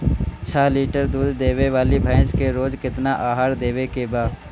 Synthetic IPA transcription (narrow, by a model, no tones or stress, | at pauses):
t͡ʃʰəɦliːʈəɾd̪uːd̪ːeːʋeʋaːlibʱə̃ɪskeɾoːd͡ʒkɪt̪naʔaːɦaːɾd̪eːwekebaːd̪